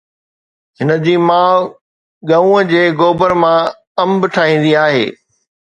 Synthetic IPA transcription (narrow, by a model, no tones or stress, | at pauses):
ɦɪnəd͡ʑiːmaːʋ | ɠɐũəd͡ʑeːɡoːbəɾmã | ɐ̃mbʈʰaːɦĩːnd̪iaːɦḛː